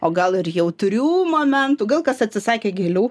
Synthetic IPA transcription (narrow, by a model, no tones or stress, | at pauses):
oːɡɐlˠɪrjɛʊt̪ʊɾʲuːmoːmʲɛnt̪uːɡɐlˠkɐsɐtʲsʲɪsɑːkʲeːɡʲelʲuː